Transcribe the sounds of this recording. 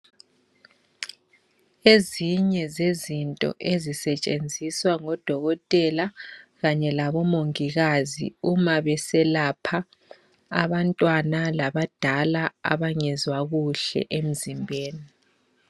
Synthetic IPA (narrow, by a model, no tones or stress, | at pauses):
eziɲɛzezintʼɔ̰ʔezisɛt͡ʃʼend͡zʱiswaŋɔd̥ʱɔɣɔtʼɛlaɣaɲɛlaβɔmoŋiɣazḭumaβɛsɛlapʰa | aβantʼwanalaβad̥ʱalaa̰βaŋɛzwaɣuɬɛ̰ʔem̩zimbʱeːni